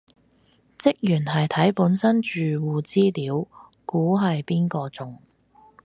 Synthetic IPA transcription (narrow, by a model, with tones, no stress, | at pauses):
t͡sɪ˥k̚jyː˨˩nɦɐ˨jt̪ʰɐ˨˥jpuː˨˥nsɐ˥nt͡ʃyː˨wuː˨t͡siː˥liː˨˥w | kuː˨˥ɦɐ˨jpiː˥nkɔː˧t͡sʊ˨˩ŋ